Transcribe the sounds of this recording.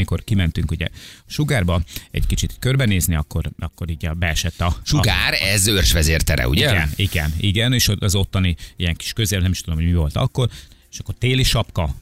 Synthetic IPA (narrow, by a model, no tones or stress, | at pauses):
iko̞rkimɛnt̪yŋkuɟɛ̰ʃuɡaːrbɒɛ̰ɟkit͡ʃit̪kørbɛneːzniɒkːo̞ɾɒkːo̞ɾiːɟɒbɛɛʃɛt̪ːɒʃuɡaːɾɛzørʃʋɛzeːrt̪ɛɾɛ̰ṵɟiɛɡɛniɡɛ̰niɡɛneːʃoɒzo̞t̪ːɒniijɛŋki̥ʃkø̞zelnɛmiʃt̪ud̪omɦojmivo̞lt̪ɒ̰kːo̞r | eʃɒkːo̞rt̪eːliʃɒpkɒ